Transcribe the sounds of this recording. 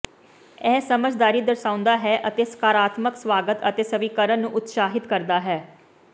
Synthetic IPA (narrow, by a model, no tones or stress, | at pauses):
ɛːsəməd͡ʒd̪aːɾiːd̪əɾsãːʊ̃nd̪aːɦɛːʔət̪eːskaːɾaːt̪məksʋaːɡət̪ət̪eːsəʋikəɾənːũːʔʊt̪saːɦɪt̪kəɾd̪aːɦɛː